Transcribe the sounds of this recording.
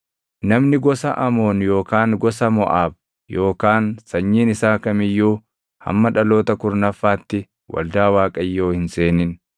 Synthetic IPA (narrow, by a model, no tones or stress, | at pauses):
nɐmnɪɡɔsɐʔɐmo̞ːnjo̞ːkaːŋɡɔsɐmɔ̰ʔaːb̚ | jo̞ːkaːnsɐɲːiːnɪsaːkɐmɪjːuː | hɐ̰mːɐᶑɐlo̞ːt̪ɐkʊɾnɐfːaːt̪ːɪ | wɐ̰ld̪aːwaːkʼɐjːo̞ːhɪnseːnɪn